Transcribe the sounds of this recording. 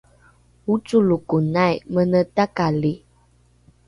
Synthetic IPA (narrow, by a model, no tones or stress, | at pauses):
ut͡ʃulukunajmənətakali